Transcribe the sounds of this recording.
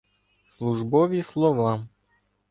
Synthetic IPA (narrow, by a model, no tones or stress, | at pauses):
slˠuʐbɔvʲislˠɔva